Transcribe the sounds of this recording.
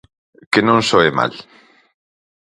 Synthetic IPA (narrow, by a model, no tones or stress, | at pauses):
kenõŋsoema̰l